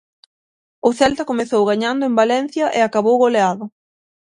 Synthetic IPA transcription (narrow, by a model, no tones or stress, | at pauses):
ʊθɛlt̪ɐkomeθowɣaɲand̪ʊembalɛn̟θjɐʔɪakaβowɣoleaðʊ